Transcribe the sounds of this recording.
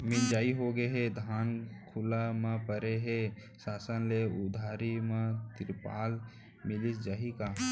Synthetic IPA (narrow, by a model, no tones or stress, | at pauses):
mɪnd͡ʒaːiɦoɡəɦed̪ʱaːnkʰʊlamãpəɾeɦe | saːsənleʊd̪ʱaːɾimãt̪ɾɪpa̰ːl | mɪlɪsd͡ʒaːɦikaː